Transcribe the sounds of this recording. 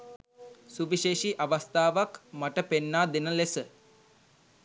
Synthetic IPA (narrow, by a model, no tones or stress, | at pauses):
suʋiʃeːʃiʔaʋəst̪aːʋakmaʈəpenːaːd̪enəlesə